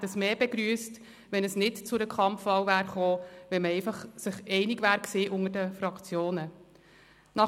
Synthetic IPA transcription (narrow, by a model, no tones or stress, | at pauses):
dəsmeːbeɡɾyːəst | ʋɛnəsnɪtt͡sʊɾəkʰχɑmfʋɑwvæːɾχoːʋɛnməɛɪfɑχsɪχɛɪnɪɡvæːɾkseːʔʊŋəɾdəfɾɑkt͡sjoːnə | nɑ